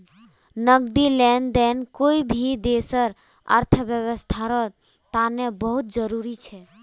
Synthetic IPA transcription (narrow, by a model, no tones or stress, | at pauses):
nəɡd̪ilɛnd̪ɛnkoibʱid̪esəɾ | ə̰ɾt̪ʰəbjəβəst̪ʰaɾɔ | t̪anebəɦut̪̚d͡ʒəɾuɾit͡ʃʰɛ